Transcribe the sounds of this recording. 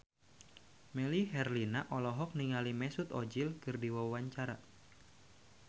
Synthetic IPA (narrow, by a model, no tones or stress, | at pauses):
mɛliɦɛrlinaʔɔlɔɦɔk̚niŋalimɛsut̪ɔd͡ʒilkɨrdiwawaɲt͡ʃaɾa